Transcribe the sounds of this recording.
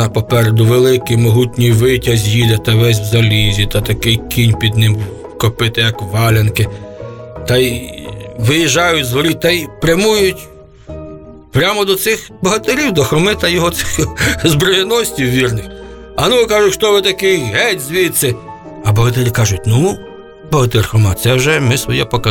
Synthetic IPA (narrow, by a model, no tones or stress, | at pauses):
ɐpɔpɛɾed̪ʊʋelˠɪkɪmɔɦutʲnʲijʋɪtʲɐzʲjid̪ɐt̪ɐʋɛzʲwzɐlʲizʲit̪ɐt̪ɐkɪjkʲinʲpʲid̪nɪm | kɔpɪt̪ɪjɐkʋɑlʲenkɪ | t̪ɑj | ʋɪjiʒɑjʊtʲzɔlʲit̪ɐjpɾʲɐmujʊtʲ | pɾʲamɔd̪ɔt̪sɪxbɔɦɐt̪ɪɾʲiwd̪ɔxɾɔmɪt̪ɐjɔɦɔsɪxzbɾɔjɛnɔsʲtʲiwʋʲirnɪx | ɐnukɑʒʊtʲʃt̪ɔʋɪt̪ɐkɪjɦɛtʲzʲʋʲit̪sɛ | ɐbɔɦɐt̪ɪɾʲikɑʒʊt̚ʲnu | bɔɦɐt̪ɪrxɾɔmɑ̰t̪sɛwʒɛmɪsʋɔjɛpɔkɐ